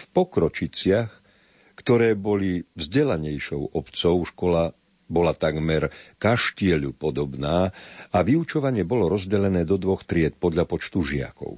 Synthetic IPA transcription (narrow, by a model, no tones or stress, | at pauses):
fpɔkɾɔt͡ʃit͡sɪax | kt̪ɔɾɛːbɔlivzɟɛlaɲɛjʃɔʊɔpt͡sɔʊʃkɔla | bɔlat̪aɡmɛɾkaʃcɪɛʎupɔd̪ɔbnaːaʋiut͡ʃɔʋaɲɪɛbɔlɔɾɔzɟɛlɛnɛːd̪ɔd̪ʋɔxt̪ɾɪɛt̪̚pɔd̪ʎapɔt͡ʃt̪uʒɪa̰kɔ̰ʊ